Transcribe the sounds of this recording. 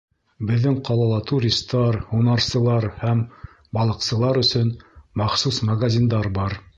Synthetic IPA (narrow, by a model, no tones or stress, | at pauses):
bɘ̆ðːɘŋqɑlˠɑlˠɑt̪uɾʲist̪ːɑɾhunɑɾsɤ̆lˠɑɾhæm | bɑlˠɤ̆qsɤ̆lˠɑɾɵ̆sɵnmɑχsusmɐɡazʲind̪ɑɾbɑɾ